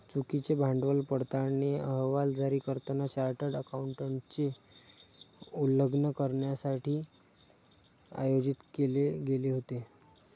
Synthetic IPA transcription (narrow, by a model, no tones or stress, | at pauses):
t͡sukit͡sebʱaɳɖʋəlpəɽt̪aneəɦʋald͡zaɾiːkəɾt̪ənat͡ɕaɾʈəɖəkauɳʈəɳt͡se | uləɡnəkəɾɳjasaʈʰiː | a̰jod͡ʑit̪keleɡeleɦot̪e